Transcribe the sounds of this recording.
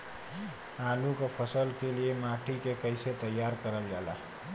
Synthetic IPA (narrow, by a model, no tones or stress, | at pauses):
aːlukapʰəsəlkeliemaːʈʰikekəɪset̪əjːaːɾkəɾəld͡ʒaːla̰ː